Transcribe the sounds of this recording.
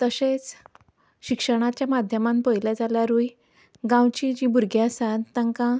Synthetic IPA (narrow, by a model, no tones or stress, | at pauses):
t̪əset͡s | ɕikʂəɽ̃at͡ɕjamad̪ʱjəmãmpəjljad͡zaljaɾuj | ɡãwt͡ɕid͡ʑibuɾɡʱjãsat̪t̪ːãŋkã